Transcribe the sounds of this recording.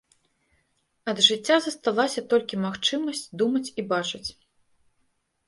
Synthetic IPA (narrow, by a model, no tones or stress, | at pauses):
ɐd̪ʐɨt͡sʲːazɐst̪alˠasʲɐt̪ɔlʲkʲimaxt͡ʂɨmɐsʲt͡sʲd̪umɐt͡sʲibat͡ʂɨt͡sʲ